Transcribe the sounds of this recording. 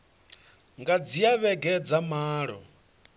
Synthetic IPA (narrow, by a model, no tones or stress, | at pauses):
ŋɡad͡zijaβɛɡɛd͡zamaːɺɔ̰